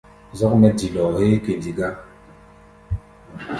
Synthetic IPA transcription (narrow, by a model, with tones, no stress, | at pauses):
zɔ˦k̚mɛ˦di˨lɔ˨he˦ke˨di˨ɡa˦